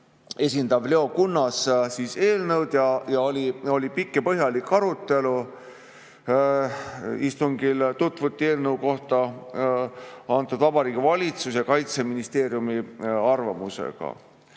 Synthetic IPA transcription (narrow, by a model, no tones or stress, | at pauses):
e̞sʲind̪ɑvle̞o̞kunːɑssiːse̞ːlnɤwd̪̥jɑjɑolʲio̞lʲipikːepɤɦjɑlikːɑɾut̪ːˑe̞lu | ist̪uŋɡilt̪ut̪ːˑvut̪ːie̞ːlnəwko̞ht̪ɑ | ɑnt̪ːˑud̪̥vɑbɑɾiːɡ̥ivɑlʲit̪susjɑkɑjt̪se̞minist̪e̞ːɾjumiɑrvɑmuse̞̰ɡ̥ɑ̰